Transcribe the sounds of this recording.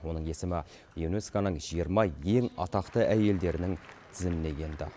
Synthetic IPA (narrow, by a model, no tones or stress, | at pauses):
wo̞nəɴe̞sɪmɪ | jevnoskanəɴʒ̥ijəɾmɑje̞ŋɑt̪ɑqt̪əʔæje̞ld̪e̞ɾɪnɪŋt̪ʰɪzɪmɪne̞ɡʲe̞nd̪ɪ̰